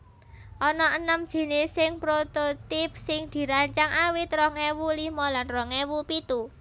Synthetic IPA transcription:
ʔɔnɔənəmd̥ʒ̥i̤nɪsɪŋpɾot̪ot̪ɪp̚sɪŋd̪̥i̤ɾaɲt͡ʃaŋʔawit̪ɾɔŋewulimɔlanrɔŋewupit̪u

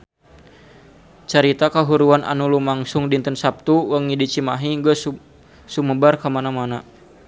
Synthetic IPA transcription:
t͡ʃaɾit̪akaɦuɾuanʔa̰nulumaŋsuŋdint̪ənsap̚t̪uwəŋidit͡ʃimaɦiŋɡəs | suməbarkamanamana

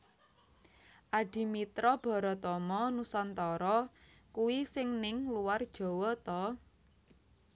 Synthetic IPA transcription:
ʔaɖ̥i̤mit̪ɾɔb̥ɔ̤ɾɔt̪ɔmɔnusant̪ɔɾɔ | kuwisɪŋnɪŋluward̥ʒ̥ɔ̤wɔt̪ɔ

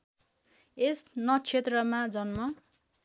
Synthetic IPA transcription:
esnʌt͡sʰet̪rʌmad͡zʌnmʌ

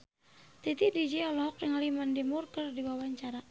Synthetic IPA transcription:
t̪it̪idid͡ʒiɔlɔkjaŋlimandimurkərdiwawaɲt͡ʃaɾa

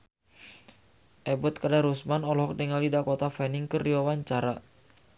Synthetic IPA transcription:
ʔɛbɔt̪̚kadaɾusmanɔlɔɦɔk̚diŋalidakɔt̪afɛniŋkəriwawaɲt͡ʃaɾa

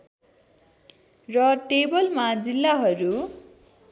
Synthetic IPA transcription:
rʌʈebʌlmad͡zilːaɦʌɾu

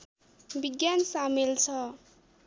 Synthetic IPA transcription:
biɡjansamelt͡sʰʌ

